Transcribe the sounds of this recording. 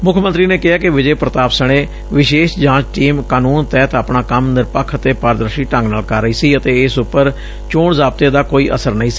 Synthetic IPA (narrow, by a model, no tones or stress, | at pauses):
mʊkʰmə̃nt̪ɾiːneːkɪaːkɪʋɪd͡ʒeːpɾət̪aːpsəɽ̃ẽː | ʋɪʃeːʃd͡ʒãːt͡ʃʈiːmkaːnuːnt̪ɛːt̪aːpɳaːkəmnɪɾpəkʰːət̪eːpaːɾd̪əɾʃiːʈə̃ŋɡnaːlkəɾəiːsiːət̪eːɪsʊpːəɾ | t͡ʃoːɳzaːb̚t̪eːd̪aːkoːiːʔə̰səɾnəĩːsi̥ː